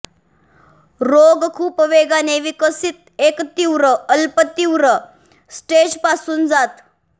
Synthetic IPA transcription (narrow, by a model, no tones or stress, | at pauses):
ɾoɡkʰuːpʋeɡaneʋikəsit̪ekt̪iwɾəəlpət̪iwɾə | sʈeːd͡ʒpasuːnd͡zat̪